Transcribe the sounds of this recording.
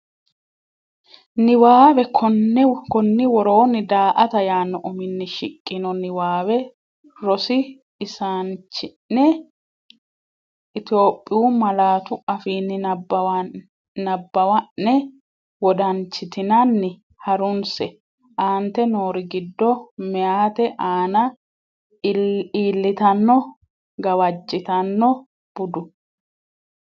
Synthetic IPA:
nɪwaːbɛkɔnːkɔnːɪwɔɾoːnːɪd̪aːʔɐt̪ɐjaːnːɔʔɔmɪnːɛʃɪkʼːɪnɔnɪwaːbɛ | ɾɔsɪ | ɪsant͡ʃːɪ | ɛ | ʔɪt̪o̞ːpʼːɪjuːmɐlaːt̪ʊɐfiːnːɪb | nɐbːɐwɐʔːɛ | wɔd̪ɐnt͡ʃːɪt̪ɪnanːɪ | hɐɾʊnsɛ | ʔaːnt̪ɛnoːɾɪɡɪd̪ːɔmɛjaːt̪ɛʔaːnɐ | iːlːɪt̪ɐnːɔ | ɡɐwɐd͡ʒːɪt̪ɐnːɔ | b̥ʊd̪ʊ

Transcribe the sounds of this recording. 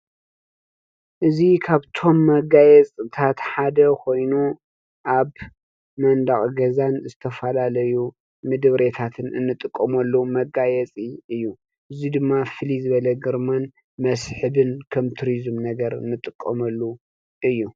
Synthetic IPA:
ʔɨzikʰaβt̪ʰo̞mːɐɡajɛt͡sʼɨt̪ʰat̪ħad̪ɐkʰo̞jnu | ʔaβ | mɐnd̪aχʼɡɐzanzɨt̪ʰɐfɐlalɐju | mɨd̪ɨβɾe̞t̪ʰat̪ʰɨnʔɨ̰nːɨt̪ʼɨkʼːɐmɐlːumɐɡajɛt͡sʼiɨjːu | ʔɨzid̪ɨmːafɨlizɨβɐlɐɡɨɾman | mɐsħɨbɨnkʰɐmt̪ʰuɾizɨmnɐɡɐɾɨ̰nːɨt̪ʼɨkʼːɐmɐlːu | ʔɨjːu

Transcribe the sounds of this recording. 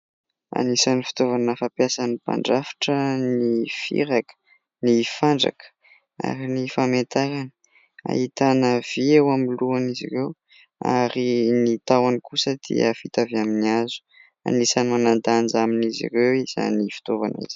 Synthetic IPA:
a̰nisanifi̥t̪ovanəfapjasanipa̰ɳɖ͡ʐafḁʈ͡ʂənifḭɾakə̥ | nifaɳɖ͡ʐa̰kə̥ | a̰ɾinifamet̪aɾanə | a̰hit̪anəv̥iewamiluanizḭrew | a̰ɾinit̪awanikusəd̪ḭəfit̪avaminiazu̥ | a̰nisanimanand̪and͡zaminizḭrewiz̥a̰nifi̥t̪ova̰nḭzi̥

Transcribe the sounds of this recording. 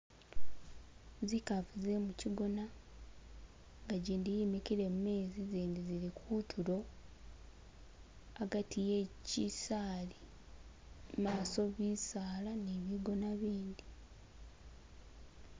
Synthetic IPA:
zikavuze̞muciɡo̞na | ŋɡaɟiːndijimikiɾe̞mume̞ːziziːndiziɾikʰuːtʰuɾo̞ | aɡatʰijecisaːli | maːso̞βisaːlaneβiɡo̞naβiːnd̪i

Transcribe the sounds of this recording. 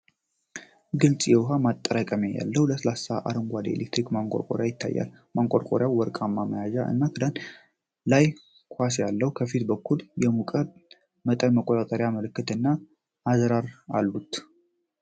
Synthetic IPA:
ɡɨlt͡sʼjɛwʊɦamat̪ʼːəɾakʼəmeja̰lːəhwləsəlasaʔa̰ɾɨŋɡʷad̪ḛlʔekt̪ʰɾikmaŋkʷʼo̰ɾkʼoɾjajɪt̪ʰːa̰jːa̰l | maŋkʷʼoɾkʼoɾjawwɔɾkʼamːaməjaʒaʔɨ̰nːakʰɨd̪an | laj | kʷʰasjalːəhukʰəfit̪bəkʰːuljɛmukʼəd̪ | mət̪ʼənməkʷʼːot̪ʼat̪ʼəɾjaməlɨkːɨt̪ɨnːaː | zɾaɾalːut̪

